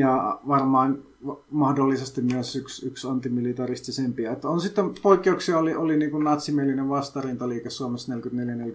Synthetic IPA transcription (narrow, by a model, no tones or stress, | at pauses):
jɑʋɑrmɑːn | ʋmɑhdolːisest̪immyøsyksyksɑnt̪ːimilit̪ɑrist̪isempiɑet̪ːonsit̪ːempoikːeuksiɑoliʔoliniːŋkunnɑt̪simielineʋʋɑst̪ɑrint̪ɑliːkessuomesnelkyt̪neljænel